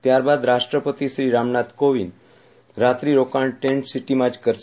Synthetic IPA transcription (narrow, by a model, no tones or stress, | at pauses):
t̪jaɾbad̪ɾaʂʈɾəpət̪isɾiːɾamɳat̪koʋin | ɾat̪ɾiːɾokaɳʈeɳʈsiʈimad͡ʑkəɾs